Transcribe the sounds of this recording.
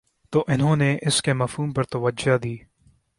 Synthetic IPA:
t̪oʔɪnɦõːneʔɪskemɐfhuːmpɐɾt̪ɐʋɐd͡ʒad̪iː

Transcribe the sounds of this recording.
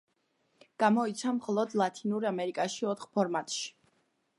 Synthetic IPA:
ɡ̥amɔit̪sʰamχɔlˠɔd̪lˠat̪ʰinuɾamɛɾikʼaʃiɔt̪ʰχpʰɔɾmat̪ʼʃi̥

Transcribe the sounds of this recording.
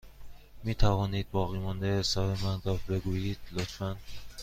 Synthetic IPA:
miːt̪ʰævɒːniːd̪̚bɒːɣiːmɒnd̪eesɒːbemændɒbe̞ɡuːjiːd̪̥lot̪ʰfænd̪̥

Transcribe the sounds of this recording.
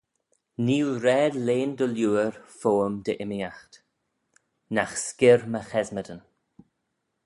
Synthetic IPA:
niːwɾɛːdleːnd̪əljuːəɹfoːəmd̪əʔɪmiaxt̪ | naxskɪɹməxɛzmədən

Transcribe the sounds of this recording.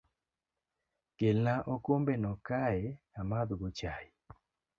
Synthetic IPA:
kelnaʔokombenɔkaɛ | amad̪ɡot͡ʃaj

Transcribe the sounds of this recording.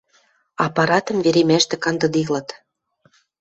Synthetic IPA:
ɑpɑɾɑt̪ɤ̆mveɾemæʃt̪ɘ̆kɑnd̪ɤ̆d̪ilɤ̆t̪

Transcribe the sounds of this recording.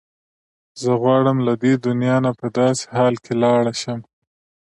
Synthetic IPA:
zəɣwɑɽəmlad̪ed̪ʊnjɑnapəd̪ɑse̥hɑlkʰelɑɽaʃəm

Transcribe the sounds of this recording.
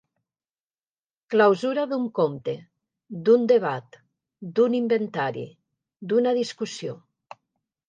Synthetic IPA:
klawzuɾaðuŋkomt̪e | d̪und̪eβ̞at̪ | d̪unimbent̪aɾḭ | d̪unaðiskusijo

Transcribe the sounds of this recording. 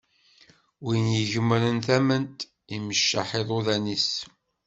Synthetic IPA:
winjəʝəmːɾənθæmənt̪ | iməʃːaħeðˤoðænis

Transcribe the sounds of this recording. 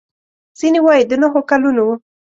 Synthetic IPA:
z̥inewajid̪ənaɦokalunowu

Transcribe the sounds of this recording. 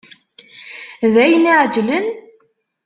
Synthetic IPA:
ðæjniʕd͡ʒlən

